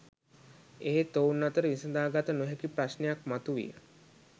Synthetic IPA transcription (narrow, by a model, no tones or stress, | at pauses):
eɦet̪ounːat̪əɾəʋisəd̪aːɡat̪ənoɦekipɾasnejak̚mat̪uʋḭjə̰